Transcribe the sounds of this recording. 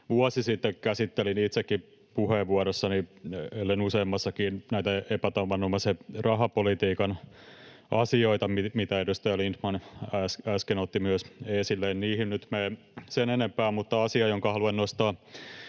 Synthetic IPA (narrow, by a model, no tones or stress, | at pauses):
ʋuɑsisit̪ːekkæsit̪ːelinit̪sekːi | puheʋːuɑɾesːɑnielːenuseːmːɑsːɑkiːnnæit̪æepæt̪ɑʋɑnumɑserɑɦɑpolit̪iːkɑn | ʔɑsioit̪ɑmimit̪æedust̪ɑjɑlint̪mɑnæsæskenot̪ːimyøseːsilːeːnniːhinnyt̪meː | senenempæːmmut̪ːɑɑsiɑjoŋkɑhɑluennost̪ɑː